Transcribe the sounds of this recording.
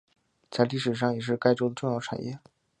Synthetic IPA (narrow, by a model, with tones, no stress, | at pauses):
t͡sa˥˧ɪli˥˩ʂɻ̩˨˩ʂ̬ɑ˥˩ŋjɛ˨˩ʂ̬ɻ̩˥˧ka˥˧ɪʈ͡ʂo˥ʊd̪ə˨˧ʈ͡ʂʊ˥˧ŋjɑ˥˩ʊʈ͡ʂʰa̰˨˩njɛ˥˩